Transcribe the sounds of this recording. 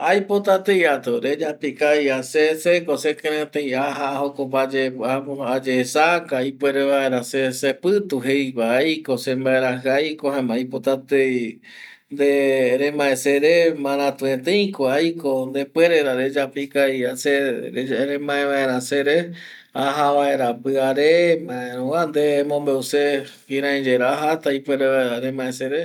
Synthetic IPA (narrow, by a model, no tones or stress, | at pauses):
ajpot̪at̪ejat̪oɾed͡ʒapikajasesekosekẽɾẽt̪ejaɦaːhokopad͡ʒeaad͡ʒeːsakaipweɾeβaeɾãsesepɨt̪uɦejkajkosembaeɾaɦɨajkoɦãmajpot̪at̪ej | nd̪eɾemãẽseɾemãɾãt̪uẽt̪ẽjkoajkond̪epweɾeɾaɾed͡ʒapikaiase | ɾẽmãẽβaẽɾãseɾe | aɦaβaeɾapɨaɾemãẽɾũwand̪emõmbeuse | hiɾãĩd͡ʒeɾaɦat̪aipweɾeaeɾaɾemãeseɾe